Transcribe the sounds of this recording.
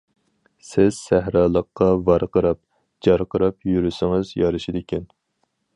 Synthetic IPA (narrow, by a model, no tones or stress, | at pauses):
sɪz̥sæhɾɑːlˠəqːɑvɑɾqəɾɑp̚ | d͡ʒɑɾqəɾɑpjyɾysɪŋɨzjɑɾɨʃid̪ɪkʲɛn